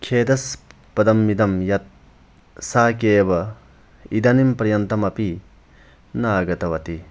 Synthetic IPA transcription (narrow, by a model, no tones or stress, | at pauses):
kʰeːd̪ɐs | pɐd̪ɐmːid̪ɐmjɐt̪̚ | sakejbɐ | id̪ɐnimpɐɾjɐnt̪ɐmɐpi | naɡɐt̪ɐwɐt̪i